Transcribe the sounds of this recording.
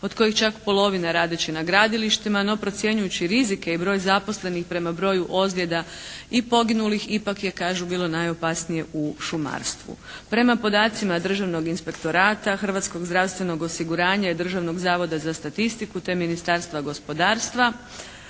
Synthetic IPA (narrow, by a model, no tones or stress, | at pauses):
o̞d̪ko̞jixt͡ʃakpo̞lˠo̞ʋinaɾaːd̪et͡ɕenaɡɾaːd̪iliʃt̪imano̞pɾo̞t̪sje̞ɲujut͡ɕiɾizike̞ibɾo̞ːjzapo̞sle̞nixpɾe̞mabɾo̞ːjuʔo̞zlje̞d̪a | ipo̞ɡinulixipakje̞kaːʒubiːlˠo̞najo̞pasnije̞uʃuma̰ɾst̪ʋṵ | pɾe̞mapo̞d̪aːt̪simad̪r̩ʒaʋno̞ɡinspe̞kt̪o̞ɾaːt̪axr̩ʋat̪sko̞ɡzd̪ɾawst̪ʋe̞no̞ɡo̞siɡuɾaːɲaed̪r̩ʒaʋno̞ɡzaːʋo̞d̪azast̪at̪ist̪ikut̪e̞minist̪aːɾst̪ʋaɡo̞spo̞d̪aːɾst̪ʋa